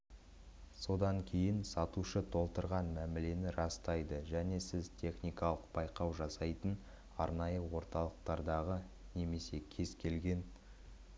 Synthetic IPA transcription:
so̞d̪ɑŋkʲʰe̞jɪnsɑt̪uʃət̪ʰo̞lˠt̪əɾʁɑnmæmɪle̞nɪɾɑst̪ɑjd̪əʒæne̞sɪzt̪ʲʰe̞χnijkɑlˠəq̚b̥ɑjqɑwʒɑsɑjt̪ən | ɑɾnɑjəwo̞ɾt̪ɑlˠəq̚t̪ɑɾd̪ɑʁə | ne̞me̞se̞kʲʰe̞zkʲʰe̞lɡʲe̞n

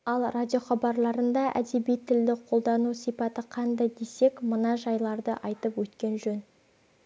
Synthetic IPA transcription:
ɑlˠrad̪ʲijo̞χɑbɑɾlˠɑɾənd̪ɑʔæ̰d̪e̞bijt̪ʰːɪld̪ɪqʰo̞lˠd̪ɑnusijpɑt̪əqʰɑnd̪ɑjd̪e̞se̞kmənɑʒɑjlˠɑɾd̪əʔɑjt̪əpwɵt̪kʲe̞nʒɵn

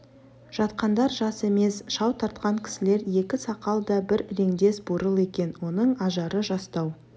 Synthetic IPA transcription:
ʒ̥ɑt̪qɑnd̪ɑɾʒɑse̞me̞sʃɑwt̪ʰɑɾt̪̚qɑŋkʲʰɪ̥sɪle̞ɾje̞kʲɪsɑqɑlˠd̪ɑbɪɾːe̞ŋd̪e̞sboɾəlˠe̞kʲe̞nwo̞nəɴɑʒɑɾəʒɑst̪ɑw

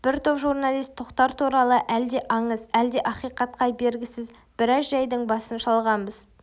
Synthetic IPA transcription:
b̥ɪɾt̪ʰo̞pʒurnɑlˠijst̪ʰːoqt̪ɑɾt̪ʰuɾɑlˠəʔæld̪e̞ʔɑɴəzæld̪e̞ʔɑqijqɑt̪̚qʰɑjbe̞ɾɡʲɪsɪz | bɪɾɑsʒɑjd̪əɴbɑsənʃɑlˠʁɑnbəz̥

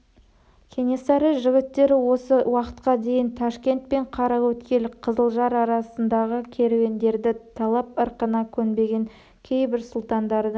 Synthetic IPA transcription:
kʲʰe̞nʲe̞sɑɾəʒɪɡʲɪt̪ːe̞ɾɪwo̞səwɑqə̥t̪qɑd̪e̞jɪnt̪ʰɑʃkʲe̞nt̪̚pe̞ɴqʰɑɾɑwɵt̪kʲe̞lqʰəzəlˠʒɑɾɑɾɑsənd̪ɑʁəkʲʰe̞ɾewe̞nd̪e̞ɾd̪ɪt̪ʰɑlˠɑp̚əɾqənɑkʲʰɵnbe̞ɡʲe̞ŋ | kʲʰe̞jbɪɾsʊlˠt̪ɑnd̪ɑɾd̪ə

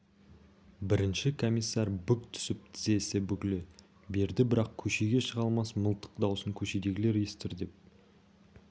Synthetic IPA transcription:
bɪɾɪnʃɪkʰo̞mʲijsːɑɾbʏk̚t̪ʰʏ̥sɪp̚t̪ʰɪze̞sɪbʏkʲɪlɪ | be̞ɾd̪ɪbɪɾɑqkʲʰɵʃeɡʲe̞ʃəʁɑlˠmɑsməlˠt̪ə̥q̚d̪ɑwsəŋkʲʰɵʃe̞d̪e̞ɡʲɪle̞ɾjest̪ɪɾd̪e̞p̚

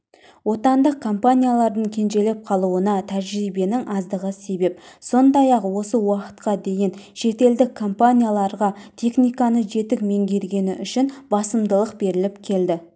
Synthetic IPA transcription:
wo̞t̪ɑnd̪əq̚ʰːo̞mpanʲijalˠɑɾd̪əɴkʲʰe̞nʒe̞le̞p̚qʰɑlˠuənɑt̪ʰæʒɾijbe̞nɪŋʔɑzd̪əʁəse̞be̞pso̞nd̪ɑjɑqwo̞səwɑqə̥t̪̚qɑd̪e̞jɪnʃe̞t̪e̞ld̪ɪkʰːo̞mpanʲijalˠɑɾʁɑt̪ʰe̞χnijkɑnəʒe̞t̪ɪk̚me̞ŋɡʲe̞ɾɡʲe̞nɪʔʏʃɪnbɑsəmd̪əlˠəqbe̞ɾɪlɪpkʲʰe̞ld̪ɪ

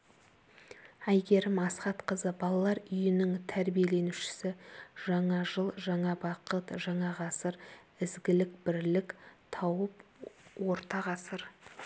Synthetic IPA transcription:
æjɡʲe̞ɾɪmɑsqɑt̪qəzəbɑlˠɑlˠɑɾʏjɪnɪŋt̪ʰæɾbije̞le̞nuʃɪ̥sɪʒ̥ɑɴɑʒəlˠʒɑɴɑbɑqət̪ʒɑɴɑʁɑsəɾ | ɪzɡʲɪlɪkbɪɾlɪkt̪ʰɑwəpwo̞ɾt̪ɑʁɑsəɾ

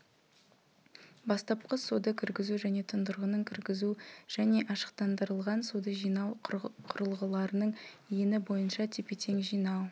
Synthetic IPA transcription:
bɑst̪ɑp̚qəsod̪əkʲʰɪɾɡʲɪzuʒæne̞t̪ʰənd̪əɾʁənəɴkʲʰɪɾɡʲɪzuʒ̥æne̞ʔɑʃə̥qt̪ɑnd̪əɾəlˠʁɑnsod̪əʒijnɑwqʰʊɾəlˠʁəlˠɑɾənəɴjenɪbo̞jənʃɑt̪ʰepet̪ʰe̞ŋʒijnɑw

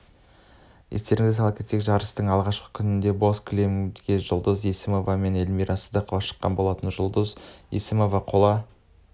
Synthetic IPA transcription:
jest̪e̞ɾɪŋɪzɪsʰɑlˠkʲet̪ekʒɑɾəst̪əɴɑlˠʁɑʃqə̥kʲʰʏnɪnd̪e̞bo̞skʲʰlʲemɡʲeʒʊlˠd̪əzjesɪmo̞vɑme̞ne̞lmijɾʔɑsəd̪əqʰəvɑʃə̥qːɑ̰nbo̞lˠɑt̪ənʒʊlˠd̪əzḛsɪmo̞vɑqʰolˠɑ

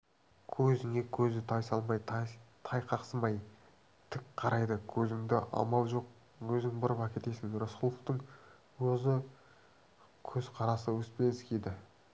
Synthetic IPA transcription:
kʲʰɵzɪŋe̞kʲʰɵzɪt̪ʰɑjsɑlˠmɑjt̪t̪ʰɑjqʰɑqsəmɑj | t̪ʰɪkqʰɑɾɑjd̪əkʲʰɵzɪŋd̪ɪʔɑ̰mɑlˠʒo̞q | wɵzɪŋbʊɾəpækʲe̞t̪e̞sɪŋɾosqʊlˠəqt̪əɴ | wɵzɪ | kʲʰɵzqʰɑɾɑsəwɵspe̞nɪskʲʰed̪ɪ

